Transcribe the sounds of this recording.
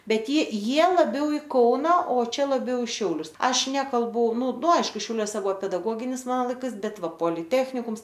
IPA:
ˈbʲɛt jɪ ˈjiɛ lˠɐˈbʲɛʊ ɪ ˈkɐʊnɐ oː ˈt͡ʃʲɛ lˠɐˈbʲɛʊ ɪ ˈʃʲɛʊlʲʊs ˈɐʃ ˈnʲæːkɐlˠbʊ nʊ nʊ ˈɐɪʃkʊ ʃʲɛʊˈlʲuɔsʲɛ ˈbʊʋoː pʲɛdɐˈɡoːɡʲɪnʲɪs ˈmɑːnoː lˠɐɪˈkɐɪs ˈbʲɛt ˈʋɐ poːlʲɪˈtʲæːxʲnʲɪkʊms

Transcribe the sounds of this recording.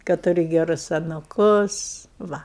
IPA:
kɐt tʊˈrʲɪ ɡʲɛˈrʊs ɐnʊˈkʊs ˈʋɐ

